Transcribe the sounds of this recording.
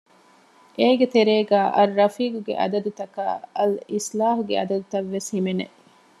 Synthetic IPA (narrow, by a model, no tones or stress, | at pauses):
ʔeːɡet̪eɾeːɡaːʔɐɾːɐfiːkuɡḛʔɐ̰d̪ɐd̪ut̪ɐka̰ːɐlislaːɦuɡḛɐd̪ɐd̪ut̪ɐʋːeshimenḛʔ